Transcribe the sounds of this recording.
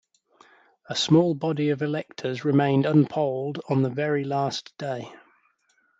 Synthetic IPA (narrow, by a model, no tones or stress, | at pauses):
əsmɔːlˠbɒdiəvɪlɛk̚tʰəzɹɪmẽɪ̃ndə̃npʰəʊlˠdn̩ðəvɛɹilɑˑsd̥eɪ